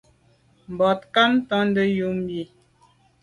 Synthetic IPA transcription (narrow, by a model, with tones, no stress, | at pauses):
m̩˨bɔ˨t̚ka˦m˦tɔ˦n̩˦də˦ju˦m˦bi˨